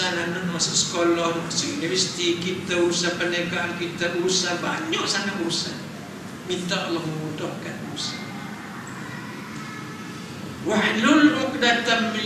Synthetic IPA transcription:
ananʊnwasəsə̥kolɔhdɔksəʔilɛfisi̥t̪ikit̪auɾusahpənaɡaʔankit̪auɾusahbaɲɔʔsanaʔuɾusa | mint̪aʔɑlːɔhməmudɔhkanuɾusa | wahlʊlʊk̚dat̪am

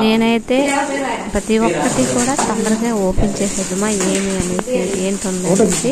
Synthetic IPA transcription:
ne̞ːnɐjit̪e̞ːpɾɐt̪iwɔkːɐʈikuːɽaːt̪ɐnd̪ɐɾɐɡaːoːpent͡ʃeːsed̪umaːeːmiɐnieeːnʈ̪ond̪ɐɐii

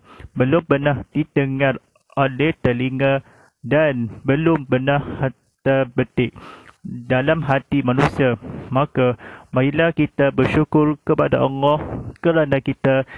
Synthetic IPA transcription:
bəlʊmpənahd̥it̪əŋãr | ʔolɛht̪əliŋa | danbəlʊmpənah | t̪ərbət̪ɪʔ̚ | dalamɦat̪imãnũsiamãkamailakit̪abərʃukʊrkəpadaʔɔ̰ŋɔhkəɾanakit̪a

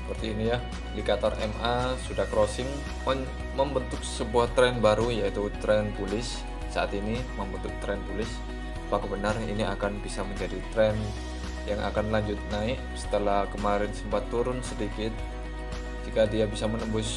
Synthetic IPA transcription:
səpərt̪iːnija | dikat̪arɛ̰masudahkɾosɪŋ | mə | məmbənt̪ʊk̚səbuaht̪ɾɛnbaɾujait̪ut̪ɾɛnt̪ulɪsː | aʔat̪iniməmbənt̪ʊk̚t̪ɾɛnt̪ulɪs | pakəbənarḭniakanbisaməɲd͡ʒadit̪ɾɛn | jaŋʔa̰kanlaɲd͡ʒʊt̪̚naɪk̚sə̥t̪əlahkəmaɾɪnsəmpat̪ːuɾʊnsədikɪt̪̚ | d͡ʒikadiabisamənəbʊs

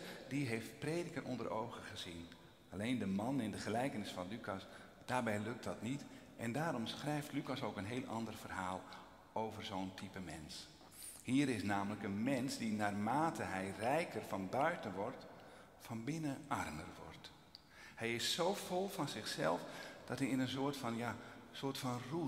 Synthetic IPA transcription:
diɦejftpreːdəkərʔɔ̰ndə̰rʔowχəχəzin | aleːndəmɑnɪndəχəlɛjkənɪsfɑnlykɑs | d̥aːrbɛjlɵk̚t̚dɑtnitʔɛndaːɾɔmsχrɛjftlykasowkənɦeːlˠʔɑ̰ndərv̥ərɦaːlˠ | owvərzoːntʰipəmɛ̰ns | hiːɾɪsnaːmələkənmɛnsdinaːrmaːtʰəɦɛjrɛjkərfɑnbœɥtənʋɔrt | fɑnbɪnəʔɑrmərʋɔ̰rt | hɛjɪsːowfɔlˠfɑnzɪxsɛ̰lˠfd̥ɑthiɪnənsoːrtfɑnjasoːrtfɑnru

